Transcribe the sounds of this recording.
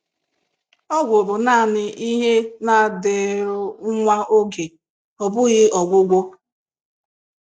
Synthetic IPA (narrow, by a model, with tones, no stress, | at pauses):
ɔ˦ɡʷʊ˨bʊ˨na˦˨nɪ˨ʔi˦ɦe˦na˨dɪ˨ɾʊ˦ŋʷa˦ʔo˦ɡe˨ | ɔ˨bʊ˦ɣɪ˦ɔ˨ɡʷʊ˦ɡʷo˦